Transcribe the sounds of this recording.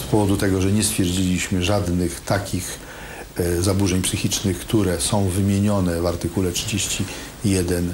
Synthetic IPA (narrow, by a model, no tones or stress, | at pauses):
spɔvɔd̪ut̪ɛɡɔʐɛɲɛst̪fʲjɛɾd͡ʑilʲiɕmɘʐad̪nɘxt̪akʲix | zabuʐɛɲpsɘxʲit͡ʂnɘxkt̪uɾɛsɔ̃w̃vɘmʲjeɲɔnɛvaɾt̪ɘkulɛtʂɘd͡ʑeɕt͡ɕi | jɛd̪ɛn